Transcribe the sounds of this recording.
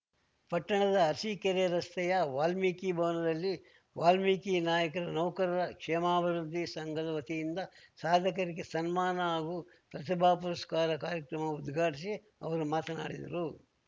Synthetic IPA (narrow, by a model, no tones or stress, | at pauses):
pɐʈːɐɳɐd̪ɐːsiːkɐɾeːɾɐst̪ɛjɐʋaːlmiːkibʱɐʋɐnɐd̪ɐlːi | ʋaːlmiːkinaːjɐkɐɾɐnɐʋkɐɾɐɾɐkʂɛːmaːbʱɐɾud̪ʱːisɐŋɡɐlɐʋɐt̪ijind̪ɐsaːd̪ʱɐkɐɾiɡesɐnmaːnɐaːɡu | pɾɐt̪ibʱaːpuɾɐskaːɾɐkaːɾjɐkɾɐmɐud̪ɡʱaːʈisi | ɐ̰ʋɐɾumaːt̪ɐna̰ːɽid̪ɐ̰ɾu